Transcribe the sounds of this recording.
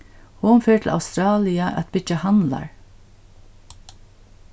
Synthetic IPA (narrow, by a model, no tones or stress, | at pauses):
hʊnfɛːʈʰɪl̩a̰wst̪ɾɑːlɪaʔæ̰t̪̚bɪd͡ʒahanla̰ɹ